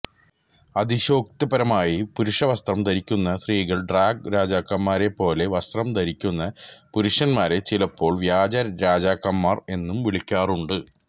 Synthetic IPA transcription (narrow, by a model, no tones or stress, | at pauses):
ɐd̪iɕo̞ːkt̪ɐbɐɾɐmaːjipuɾuʂɐʋɐst̪rɐmd̪ɐɾikʲːunːɐsriːɣɐɭɖraːɡɾaːd͡ʑaːkːɐmːaːɾe̞pːo̞ːle̞ʋɐst̪rɐmt̪ɐɾikʲːunːɐpuɾuʂɐnmaːɾe̞t͡ɕilɐpːo̞ːɭʋjaːd͡ʑɐɾaːd͡ʑaːkːɐmːaːre̞nːumʋiɭikʲːaːruɳɖɨ